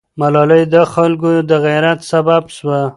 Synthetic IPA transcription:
malɑləjd̪əxalk̬od̪əɣajɾat̪sababʃwa

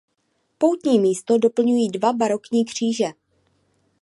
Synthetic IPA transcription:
po̞wt̪ɲiːmiːst̪o̞do̞pl̩ɲujiːdvabaɾo̞kɲiːkr̝̥iːʒɛ

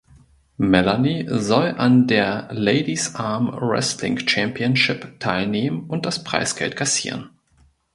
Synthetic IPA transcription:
mɛlanizɔlʔandeːɐleɪdisʔaɐmʁɛ̰stlɪ̰ŋt͡ʃɛmpiənʃɪptʰaɪlneːmənʊnt̚d̥aspʁ̥a̰ɪsɡ̥ɛ̰ltkʰasḭːʁ̞ən

